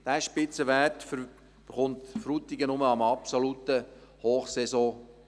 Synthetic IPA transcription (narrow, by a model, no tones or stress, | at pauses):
d̥æːʃpɪt͡səʋætf | b̥əχʊnt̪fɾut̪iɡənʊməɑmɑpsolut̪əhoːχsɛzɔ̃